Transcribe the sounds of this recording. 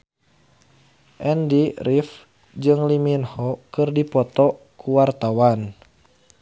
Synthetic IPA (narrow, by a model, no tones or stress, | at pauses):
ʔɛndirif | d͡ʒɨŋliminhɔkɨrdipɔt̪ɔ | kuwart̪awan